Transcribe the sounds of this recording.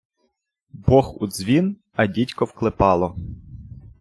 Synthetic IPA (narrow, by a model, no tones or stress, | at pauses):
bɔxṵd̪zʋʲin | ɐdʲitʲkɔwklˠɪpɑlˠɔ